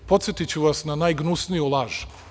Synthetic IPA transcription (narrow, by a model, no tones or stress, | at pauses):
po̞t̪sjet̪it͡ɕuʋasnanajɡnusnijulˠaːʒu̥